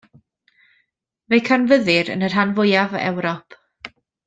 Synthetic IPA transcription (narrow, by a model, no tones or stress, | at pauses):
vejkʰanvəðɨɾə̰nər̥ɦanvʊjavɛ̰wɾɔpʰ